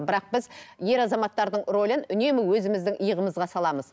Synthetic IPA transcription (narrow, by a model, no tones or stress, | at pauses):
bɪɾɑq̚b̥ɪzje̞ɾɑzɑmɑt̪ːɑɾd̪əɴro̞lʲənʏne̞mɪwɵzɪmɪzd̪ɪŋəjəʁəməzʁɑsɑlˠɑməz